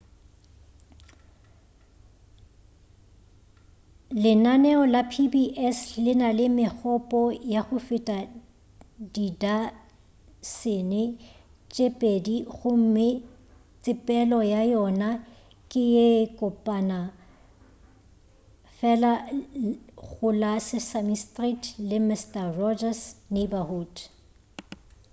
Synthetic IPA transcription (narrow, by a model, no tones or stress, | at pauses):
lɪnanɛɔlapʰibiʔɛslɪnalɪmɪk͡xʰɔpʼɔjaχʊfɪtʼa | dida | sɪnɪ | t͡ʃʼepʼediɣʊm̩mɪ | t͡sʼɪpʼɛlɔjajɔna | kʼɪjekʼʊpʼana | fɛla | ɣʊlasɪsamistʼritʰlɪmɪstʼarɔd͡ʒasnebahuːd